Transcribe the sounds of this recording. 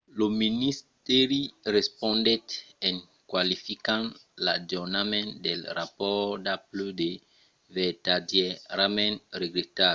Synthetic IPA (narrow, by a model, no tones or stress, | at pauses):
lominist̪ɛɾiɾespɔ̃nd̪ɛtɛ̃n | kwalifikãnlad͡ʒunamɛ̃ntd̪elɾapɔd̪aplud̪e | vɛt̪adjɛɾamɛ̃nɾeɡlet̪a